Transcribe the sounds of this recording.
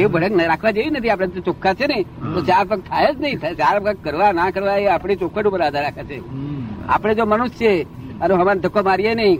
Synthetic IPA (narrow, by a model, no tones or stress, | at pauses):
ebʱəɽəknɾakʰʋad͡ʒeʋinət̪ʰiapɽ̃ed͡ʒot͡ʃokʰːat͡ʃʰenəĩt̪ot͡ʃaɾpək̚t̪ʰaed͡ʒnəɦĩt̪ʰat͡ʃaɾkəkkəɾʋanãkəɾʋaeapɽ̃it͡ʃokʰʋəʈupəɾaːd̪ʱaɾːakʰat͡ʃʰe | a̰pɽ̃ed͡ʒomənust͡ʃʰeəneɦəmand̪ʱəkːomaɾijenəɦĩ